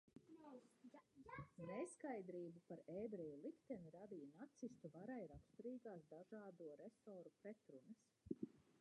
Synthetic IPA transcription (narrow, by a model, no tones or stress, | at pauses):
neskajd̪ɾiːbupaɾɛːbɾɛjulˠikt̪ɛniɾad̪ijnat̪sist̪uvaɾajɾapst̪uɾiːɡaːsd̪aʒaːd̪uɔɾɛsɔːɾupɾɛt̪ɾunəs